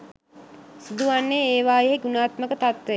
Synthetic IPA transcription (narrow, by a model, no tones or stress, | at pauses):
sud̪uʋanːeeːʋaːjeɦeɡunaːt̪məkət̪at̪ʋe